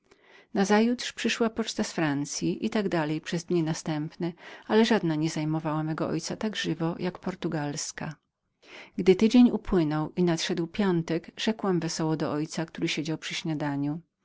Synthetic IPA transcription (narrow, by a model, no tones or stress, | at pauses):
nazajut̪ʂpʂɘʂwapɔt͡ʂt̪asfɾant̪sʲjiʔit̪aɡd̪alɛjpʂɛzd̪ɲinast̪ɛmpnɛalɛʐad̪naɲɛzajmɔvawamɛɡɔʔɔ̰jt̪sat̪aɡʐɘvɔjʔakpɔɾt̪uɡalska | ɡd̪ɘt̪ɘd͡ʑeɲupwɘnɔwinat̪ʂɛd̪wpʲjɔnt̪ɛɡʐ̥ɛkwɛmvɛsɔwɔd̪ɔʔɔjt̪sakt̪uɾɘɕed͡ʑawpʂɘɕɲad̪aɲu